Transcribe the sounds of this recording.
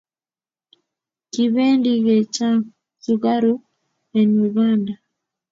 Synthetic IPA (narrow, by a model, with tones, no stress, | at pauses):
ki˨βɛ˦ndi˨ɣɛ˨t͡ʃa˦˨ŋ | su˨ɡa˦ɾu˦ | ɛ˨nu˨ɡa˦˨nda˨